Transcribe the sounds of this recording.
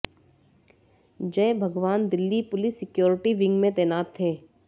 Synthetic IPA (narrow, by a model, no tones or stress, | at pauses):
d͡ʒɛ̃ːbʱɐɡʋaːnd̪ɪlːipʊlɪsːɪkjoːɾɪʈiʋɪ̃ŋɡmẽt̪ɛːnaːt̪ʰːeː